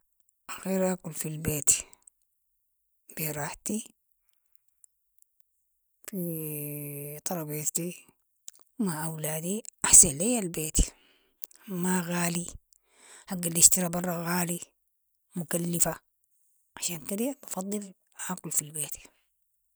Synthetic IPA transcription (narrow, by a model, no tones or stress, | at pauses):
ʔaɣeːɾʔaːkulfilbeːt̪ | b̥iɾˤɑːħt̪i | fi | t̪ˤɑɾˤɑbett̪i | maʔawlaːd̪iʔaħsanlajːalbeːt̪ | maɣaːli | haɡːalːiʃt̪iɾabɑrˤːɑɣaːli | mukalːifa | ʕaʃaːnkaɾijabɑfɑd̪ˤːɨl | ʔaːkulfilbeːt̪